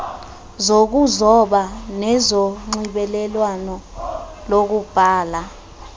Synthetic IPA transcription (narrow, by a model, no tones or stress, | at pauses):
zok̬uzɔɓanɛzoŋ͡ǀiɓɛlɛlwanɔ | lok̬ub̥ʱaːla